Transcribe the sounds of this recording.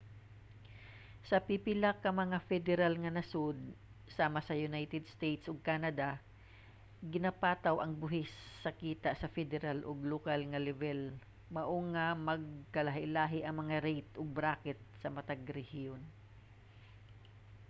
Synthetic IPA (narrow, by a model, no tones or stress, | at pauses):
sɐpipɪlakːɐmɐŋafɛd̪ɛɾalŋɐnɐsʊd̪̚ | saːmɐsɐjʊnajt̪ɛd̪st̪ejt̪sʔoɡ̚kanad̪a | ɡɪnapaːt̪ɐwʔɐŋbʊɦɪsːɐkiːt̪aʔsɐfɛd̪ɛɾalʔoɡlokalŋɐlɛvɛl | mɐʔoŋɐmɐɡ̚kɐlaɦɪʔlaːɦɪʔɐŋmɐŋaɾejt̪ʔoɡ̚bɾaːkɛt̪̚sɐmɐt̪aɡɾɛhion